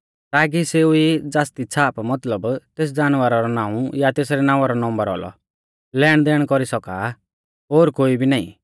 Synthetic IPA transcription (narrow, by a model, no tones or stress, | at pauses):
t̪aːk̬iseʊid͡zaːst̪it͡sʰaːpmɐt̪ləbt̪eːs̬d͡zaːnʋaɾaɾɔnãːũjat̪eːsɾɛnãːaɾɔnɔ̃mbəɾɔ̰lɔ̰ | lɛːɽd̪ɛːɽ̃kɔɾisɔka̰ | ɦoːɾkoːibʱinaːḭ̃